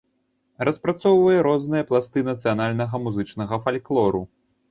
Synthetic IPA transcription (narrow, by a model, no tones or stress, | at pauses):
ɾɐspɾat̪sɔwvɐjɛɾɔznɨjɐplˠast̪ɨnɐt̪sɨjanalʲnɐɣɐmuzɨt͡ʂnɐɣɐfalʲklˠɔɾu